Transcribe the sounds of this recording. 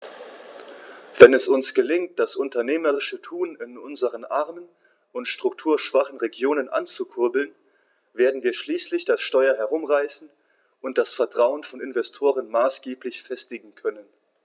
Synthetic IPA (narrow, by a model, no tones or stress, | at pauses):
v̥ɛnɛsʊnsɡ̥əlɪŋt̚d̥asʔʊntɐneːməʁɪʃətʰuːnɪnʔʊnzəʁənʔaʁmən | ʊntʃtʁ̥ʊktʰuːɐʃv̥aχn̩ʁeɡjoːnənʔa̰nt͡sukʰʊɐbl̩n | veːɐdn̩viːɐʃliːslɪçd̥asʃtɔʏɐɦɛɐʁ̞ʊmʁaɪsn̩ | ʔʊnt̚d̥asfɛɐtʁ̥aʊənfɔnɪnvɛstʰoːʁənmaːsɡ̥eːplɪçfɛstɪɡŋ̩kʰœnən